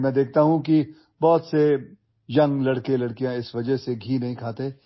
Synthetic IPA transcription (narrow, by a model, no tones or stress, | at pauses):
mɛ̃ːd̪eːk̚ʰt̪aɦũki | bɔːt̪se | jɐ̃ŋɡlɐɽkelɐɽkijãɪsʋɐd͡ʒəɦseɡʱiːnɐɦĩkʰaːt̪e